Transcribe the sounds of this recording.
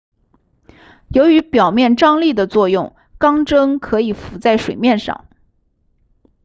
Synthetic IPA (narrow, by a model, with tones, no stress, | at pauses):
jo˧˥ʊy˧˥pjɑ˨˩ʊmjɛ˥˩nʈ͡ʂɑ˥ŋli˥˩d̪ə˩t͡swɔ˥˧jʊ˥˩ŋ | kɑ˥ŋʈ͡ʂɤ˥ŋkʰɤ˧˥i˨˩fu˧˥t͡sa˥˩ɪʂwe˨˩ɪmjɛ˥˧nʂɑ̰˥˩ŋ